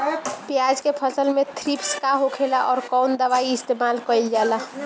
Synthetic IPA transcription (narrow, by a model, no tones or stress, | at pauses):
pjad͡ʒkepʰəsəlmet̪ʰɾipskaɦokʰelaʔɔːɾkɔwnd̪əʋaiist̪emalkəild͡ʒala